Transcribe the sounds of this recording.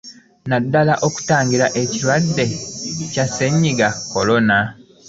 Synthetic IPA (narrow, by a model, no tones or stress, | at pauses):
nadːalaʔo̞ku̥taːŋɡiɾaʔe̞ciɾwadːe̞casːe̞ɲːiɡakːo̞lo̞na